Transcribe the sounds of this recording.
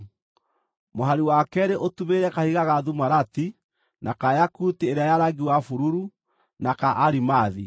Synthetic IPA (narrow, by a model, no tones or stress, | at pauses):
moɦaɾiwakɛɾeʔotuβeɾɛkahiɣaɣaðumaɾati | nʔakajakutieɾeajaɾaɡiwafuɾuɾu | nakaʔaɾimaði